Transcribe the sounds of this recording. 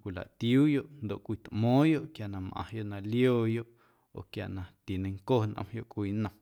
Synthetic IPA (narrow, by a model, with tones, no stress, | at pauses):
kʷi˨la̰˨ʔt̪juː˦jo˦ʔnd̪o˨ʔkʷiː˧t̪ʔmɔ̃ː˦jo˦ʔkja˨ʔnã˧mʔã̰˨jo˦ʔnã˧ljoː˦˨jo˦ʔ | o̰˨kja˨ʔnã˧t̪i˨nẽ˧ŋkoː˦˨nʔə̰̃˧mjo˦ʔkʷiː˧˦nə̃˧m